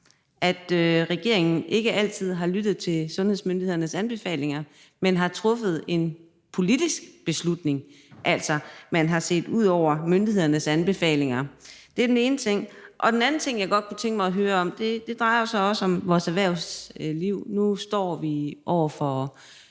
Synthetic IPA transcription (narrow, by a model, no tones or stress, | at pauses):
ʔæd̥øʁɛɡ̥e̝ɐ̰e̝ŋn̩ʔe̝ɡ̥əæl̰t͡sʰið̞̰ˠɦɑ̈lyd̥ð̞̩ˠt͡sʰe̝lsɔ̽nheð̰ˠsmønd̥ihe̝ðˠɐnəsænb̥e̝fɛ̰ːle̝ŋɐ | menɦɑ̈t͡sʰʁɔ̽fəð̞̩ˠe̝n | pʰo̝lid̥isɡ̥b̥e̝slud̥ne̝ŋ | ʔæl̰sɒmænɦɑ̈se̝̰ːd̥uð̞̰ˠɒʊ̰ɐmønd̥ihe̝ð̞̰ˠɐnəsænb̥e̝fɛ̰ːle̝ŋɐd̥e̝æɐdene̝ːnət͡sʰe̝ŋ̰ʔɒ̽d̥enæn̩t͡sʰe̝ŋ̰jɑ̈ɪɡɒ̽d̥̚kʰut͡sʰeŋɡ̥əmɑ̈ɪɒɦøːɐɒ̽md̥e̝d̥e̝d̥ʁɑ̈ɪɐosɒ̽ɒ̽səɒ̽mʋɒːsæʋæɐʊsliʊ̰nusd̥ɒ̰ːʋiʔɒʊ̰ɐfɒ